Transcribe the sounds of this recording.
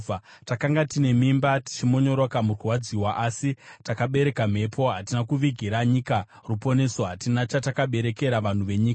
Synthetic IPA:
takaŋɡatine̞mimbati̥t͡ʃimo̞ɲo̞ɾokamuruwad͡ziwaʔasitakaɓe̞ɾe̞kam̤e̞pʰo̞ɦatinakuʋiɡʱiɾaɲika | rupo̞ne̞soɦatinat͡ʃatakaɓe̞ɾe̞ke̞ɾaʋan̤uʋe̞ɲiːka

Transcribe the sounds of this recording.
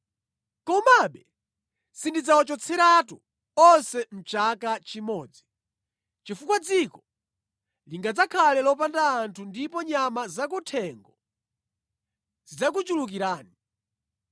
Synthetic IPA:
kɔmaɓɛ | sindid͡zawɔt͡ʃɔt͡sʰɛɾatu | ɔnsɛm̩t͡ʃakat͡ʃimɔːd͡zi | t͡ʃifukwad͡zikɔ | liŋɡad͡zakʰalɛlɔp̬andaːntʰundipɔɲamazak̬utʰɛŋɡɔ | zid͡zak̬ut͡ʃuluk̬iɾaːni

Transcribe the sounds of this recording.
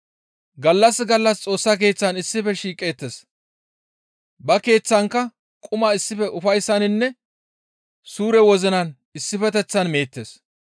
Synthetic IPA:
ɡɐlːɐsɡɐlːɐst͡sʼo̞ːsːɐke̞ːt͡sːɐnɪsːɪfɛʃiːkʼe̞ːt̪ːes | bɐke̞ːt͡sːɐŋkːɐ | kʼʊmaɪsːɪfɛʔʊfɐjsːɐnɪnːɛ | suːɾɛwɔzɪnɐn | ɪsːɪfɛt̪ɛt͡sːɐnme̞ːt̪ːeːs

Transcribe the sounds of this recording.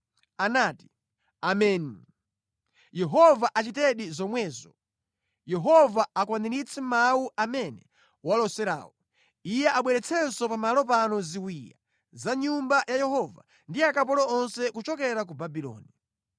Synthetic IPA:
anaːti̥ | amɛni | jɛɦɔvaʔat͡ʃitɛɗizɔmwɛːzɔ | jɛɦɔvaakwaniɾit͡sʰɛmauʔamɛnɛ | walɔsɛɾa̰ːwɔ | ijɛʔaɓwɛɾɛt͡sʰɛnsɔpamalɔp̬anɔziwiːja̰ | zaɲumbajajɛɦɔva̰ | ndiakap̬ɔlɔɔnsɛkut͡ʃɔkɛɾak̬ubabilɔ̰ːni

